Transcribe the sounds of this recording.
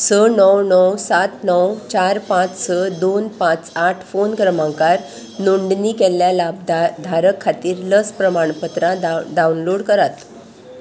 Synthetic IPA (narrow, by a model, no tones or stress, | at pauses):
sənəwnɔwsat̪nəwt͡ɕaɾpãt͡ssəd̪onpãt͡saʈʰfonkɾəmãŋkaɾ | nuɳɖniːkɛlːjalab̚d̪d̪ʱaɾəkʰːat̪iːɾləspɾəmaɳpət̪ɾãɖ̪aunloɽkəɾat̪